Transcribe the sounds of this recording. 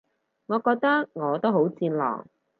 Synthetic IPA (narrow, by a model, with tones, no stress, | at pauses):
ŋɔː˨˧kɔː˧k̚t̪ɐ˥k̚ŋɔː˨˧t̪o˥wɦo˨˥wt͡siː˧nlɔ̰ː˨˩ŋ